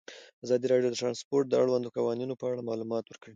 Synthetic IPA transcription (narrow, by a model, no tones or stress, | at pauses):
azɑd̪iɾɑɽjod̪əʈɾɑnspoɾʈ̚d̪əaɽwand̪əkawɑninopəaɽamɑlumɑt̪wəɾkəɽi